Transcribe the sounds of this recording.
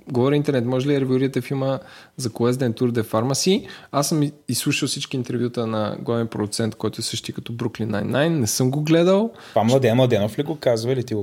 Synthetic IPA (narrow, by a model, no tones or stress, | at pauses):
ɡovɔɾʲiint̪ɛɾnɛt̪mɔʒliɛɾɛviɾiɛt̪ɛfilˠmə | zɐkoɛzd̪ɛnt̪uɾd̪ɛfaɾmɐsiasəmislˠuʃəlˠfsit͡ʃkiint̪ɛɾvʲjut̪ənɐ̰ɡlˠavɛnʲjpɾo̰d̪ʊt̪sɛnt̪kɔjt̪ʊɛsəʃt̪ikɐt̪ɔbɾuklina̰jnːajnːɛsɤmɡoɡlɛd̪əlˠ | vamlˠɐd̪ɛmlˠɐd̪ɛnofliɡokazvɐilit̪iɡʊ